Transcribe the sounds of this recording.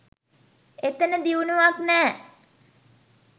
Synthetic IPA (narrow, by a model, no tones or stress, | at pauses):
et̪ənəd̪iunuʋaknɛː